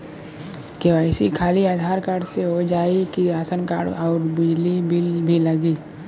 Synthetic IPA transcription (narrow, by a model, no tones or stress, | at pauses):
keʋaːɪsikʰaːliaːd̪ʱaːɾkaːɽseɦod͡ʒaːikiaːsənka̰ːɽɔːɾbɪd͡ʒlibibʱiləɡiː